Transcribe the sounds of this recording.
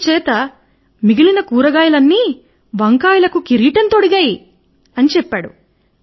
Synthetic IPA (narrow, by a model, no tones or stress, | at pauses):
t͡ʃɛːt̪ɐ | miɡilinɐkuːɾɐɡaːjɐlɐnːiː | bɐŋkaːjilɐkukiɾiːʈɐnt̪oɽiɡaːji | ɐnit͡ʃɛpːaːɽu